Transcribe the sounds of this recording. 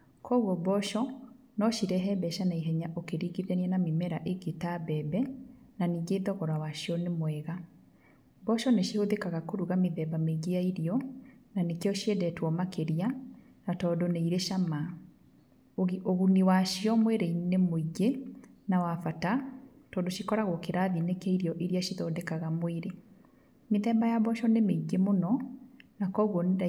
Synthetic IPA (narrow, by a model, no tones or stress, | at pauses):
kʰɔuɣɔbɔʃɔ | nɔʃiɾɛɦɛbɛʃanaiɦɛɲaʔokeɾiɡiðɛniɛnamemɛɾaʔeɡetabɛːbɛnaniːɡeðɔɣɔɾawaʃijɔnemwɛɣa | bɔʃɔneʃihoðekaɣakoɾuɣameðɛbameɡeaiɾiɔnanekeɔʃiɛdɛtwɔmakeɾia | natɔːdoneiɾeʃama | oɣuniwaʃiɔmweɾeinemoiɡenawafata | tɔndoʃikɔɾaɣɔkeɾaðinekeiɾjɔʔeɾiaʃiðɔdɛkaɣamweɾe | meðɛːmbajabɔʃɔnemeiɡemonɔnakɔɣwɔnda